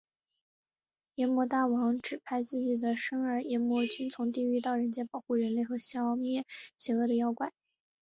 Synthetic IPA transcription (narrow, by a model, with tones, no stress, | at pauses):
jɛ˧˥mwɔ˧˥t̪a˥˩wɑ˧˥ŋʈ͡ʂɻ̩˨˩pʰa˥˧ɪt͡sɹ̩˥˩t͡ɕi˨˩d̪ə˦ʂɤ˥ŋə˞˧˥jɛ˧˥mwɔ˧˥t͡ɕy˥nt͡sʰʊ˧˥ŋt̪̬i˥˧y˥˧t̪̬ɑ˥˩ʊɻə˧˥nt͡ɕjɛ˧˥pɑ˨˩ʊxu˥˩ɻə˧˥nle˥˩ɪxɤ˧˥ɕjɑ˥˧˥mjɛ˥˩ɕjɛ˧˥ɤ˥˩d̪ə˩˧jɑ˧˥ʊkwa˨˩˦